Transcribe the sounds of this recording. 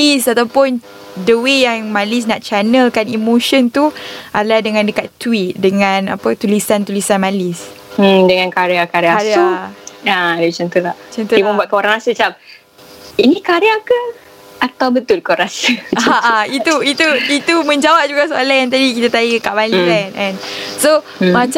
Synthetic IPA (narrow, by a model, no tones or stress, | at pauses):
lisat̪awpʊn | dəwejaŋmalis̬naʔt͡ʃanəlkanimoʃənt̪uʔalahdəŋãndəkat̪ːwit̪̚dəŋãna̰pət̪ulisant̪ulisanmalis̩ | dəŋãnkaɾiakaɾiasuaadut͡ʃənt̪ulaht͡ʃənt̪uiməmbuat̪kəoɾaŋasət͡ʃap̚ | inikaɾiakə | at̪awbət̪ʊlkoɾasaaʔait̪uit̪uit̪umə̃ɲd͡ʒawap̚d͡ʒuɡaʔsoolajant̪adikit̪at̪aikaʔmalisɛnɛnso | mat͡ʃ